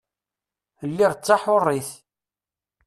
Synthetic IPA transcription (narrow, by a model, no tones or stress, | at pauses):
lːiʁt͡sːaħʊrˤːiθ